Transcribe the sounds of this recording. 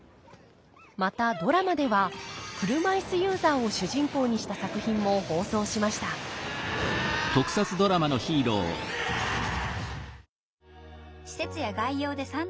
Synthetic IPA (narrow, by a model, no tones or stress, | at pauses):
mat̪ad̪o̞ɾamad̪e̞βakɯ̟ɾɯ̟maisɨjɯ̟ːzaːo̞ɕɨʑĩŋko̞ːɲ̟iɕi̥t̪asakɯ̟çĩmːo̞ho̞ːso̞ːɕimaɕi̥t̪a | t̪o̞kɯ̟̥sat͡sɨd̪o̞ɾamano̞çiːɾo̞̰ː | ɕi̥se̞t͡sɨjaɡaijo̞ːd̪e̞sãn